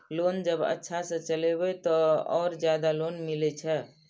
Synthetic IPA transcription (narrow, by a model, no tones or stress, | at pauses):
lond͡ʒəbə̰tːʃʰasə̃t͡ʃəlebɛt̪ɔɔːɾd͡ʒjad̪alonmilɛt͡ʃʰɛ